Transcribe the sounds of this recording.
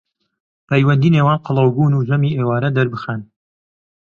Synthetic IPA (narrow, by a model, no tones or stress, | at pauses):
pʰɛjwɐnd̪iːneːwaːnqɨlˠɑwbuːnuːzɐmiːʔeːwaːɾɐd̪ɐɾbɨxan